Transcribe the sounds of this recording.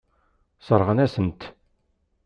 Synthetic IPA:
sˤəɾˤʁənæsənt̪

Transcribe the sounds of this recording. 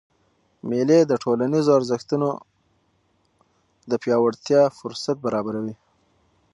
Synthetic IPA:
meled̪əʈʰolanizoaɾzəxt̪uno | d̪əpjɑwaɽt̪jɑfʊɾsat̪̚baɾɑbaɾawi

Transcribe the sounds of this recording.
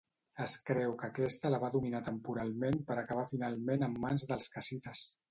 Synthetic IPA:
əskɾɛwkəkɛst̪ələβaðuminat̪əmpuɾalˠmempəɾəkəβ̞afinalˠmenəmːanzðəlˠskəsit̪əs

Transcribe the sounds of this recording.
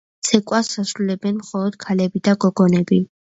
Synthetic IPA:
t̪sʰɛkʼwasːasɾulɛbɛnmχɔlˠɔd̪̥kʰalɛbid̪aɡɔɡɔnɛbi

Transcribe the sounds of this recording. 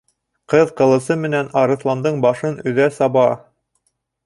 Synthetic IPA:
qɤðqɤ̆lˠɤ̆sɤmɘ̆nænɑɾɤ̆θlˠɑnd̪ɤɴbɑʃɤnɵ̆ðæsɑβɑ

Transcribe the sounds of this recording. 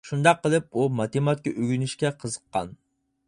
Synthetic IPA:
ʃund̪ɑqːəlˠɨp̚umɑt̪emɑt̪̚kʲiʔyɡʲynɪʃkʲɛqʰəzəqːɑ̰n

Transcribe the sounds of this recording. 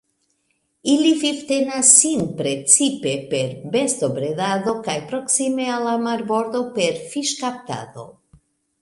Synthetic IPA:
ilififtenasːinpɾe̞t͡sipe̞pe̞ɾbestobɾedaðo̞kajpɾo̞ksime̞alːamaɾbo̞ɾd̪o̞pe̞ɾfiʃkap̚ta̰do̞̰

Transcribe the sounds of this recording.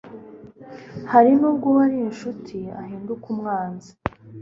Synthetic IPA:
haɾinuːb̚ɡoβaɾiinʃutʰiahiːndukumŋaːnzi

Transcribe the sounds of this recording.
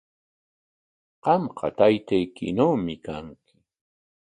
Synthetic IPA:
qɑmqʰɑ̰t̪ajt̪ajkɪ̰nawmɪkaŋkʰɪ̥

